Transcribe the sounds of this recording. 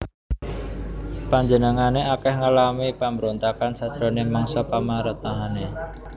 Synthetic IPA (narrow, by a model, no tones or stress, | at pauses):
paɲd͡ʒənəŋaneakɛhŋalamipambəɾont̪akansad̥ʒ̥ɾonemɔŋsɔpamaɾət̪̚naɦane